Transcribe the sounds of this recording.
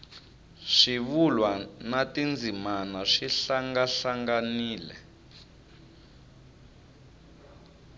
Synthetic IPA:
ʂiβulwanatind͡zʱimanaʂiɬaŋɡaɬaŋɡaniːlɛ̰

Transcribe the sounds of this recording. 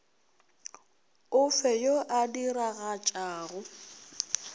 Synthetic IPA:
ʊfɛjoʔadiɾaɣat͡ʃʼaːɣʊ

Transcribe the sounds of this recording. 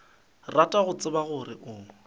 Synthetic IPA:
ratʼaɣʊt͡sʼɪbaɣʊrɪʔʊːŋ̩

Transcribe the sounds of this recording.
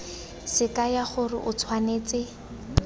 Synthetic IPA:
sɪkajaχʊrɪ̰ʔʊt͡sʰwaneːt͡sɪ

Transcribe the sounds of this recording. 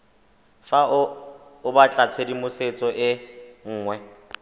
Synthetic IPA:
fa | ʊbat͡ɬʼat͡sʰedimʊset͡sʼɔʔɪŋ̩ːŋwɛ

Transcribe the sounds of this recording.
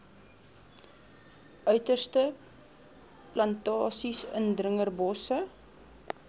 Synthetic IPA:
ʔœɥtərstə | plɐntɑːsisə̰ndrəŋərbɔsə

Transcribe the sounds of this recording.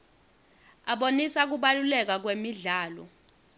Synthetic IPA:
aɓonisak̬uɓalulɛk̬ak̬wemiɮaːlɔ̰

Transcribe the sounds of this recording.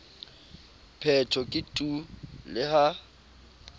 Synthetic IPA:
pʰɛtʰɔkʼɪtʼulɪha

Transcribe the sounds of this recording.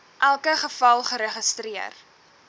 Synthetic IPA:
ʔælˠkəχəfɐlˠχəɾəχəstriə̰r

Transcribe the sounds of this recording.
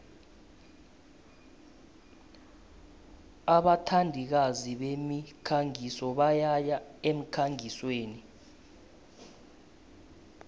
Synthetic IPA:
aɓatʰandʱik̬aziɓemikʰaŋisɔɓajajaem̩kʰaŋisweːni

